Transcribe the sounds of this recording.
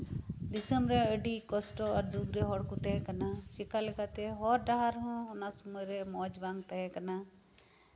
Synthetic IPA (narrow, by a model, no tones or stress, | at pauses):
d̪isəmɾɛəɖikɔsʈɔaɾd̪uɡɾɛɦɔɽkut̪əɦɛkanaʃikalɛkat̪ɛɦɔɾɖaɦaɾɦɔ̃ɔnasɔmɔjɾɛmɔd͡ʒbaŋɡt̪aɦɛkana